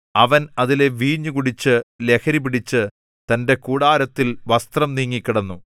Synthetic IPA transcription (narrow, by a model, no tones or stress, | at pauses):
ɐʋɐnɐðile̞ʋiːɲːukuɽit͡ɕːɨle̞kʰɐɾibiɽit͡ɕːɨ | t̪ɐnde̞kuːɽaːɾɐt̪ːilʋɐst̪rɐmniːŋːikʲːiɽɐnːu